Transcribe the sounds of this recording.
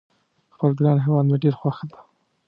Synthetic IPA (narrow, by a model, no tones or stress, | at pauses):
xpəlɡɾɑnɦewɑd̪maɖeɾxwaxəd̪ḁ